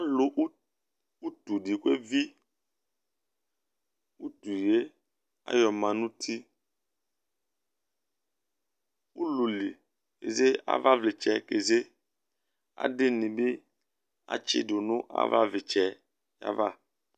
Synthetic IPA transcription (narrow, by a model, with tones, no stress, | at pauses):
a˦lo˨ʔ | u˦t̪u˨ɖi˨ke˦vi˦ | u˦t̪u˨je˦ | a̰˦jɔ˨mã˨nũ˦t̪ʰi˦ | u˦lu˨li˨ | kḛ˨ze˦a̰˦va˦vle˨t͡ʃɛ˨ke˨ze˦ | a̰˨dɪ˦nĩ˨be˦ | a̰˨t͡ʃɪ̰˦do˨nũ˦ʔa̰˦va̰˦vi˨t͡ʃɛ˦ | ja̰˨va̰˦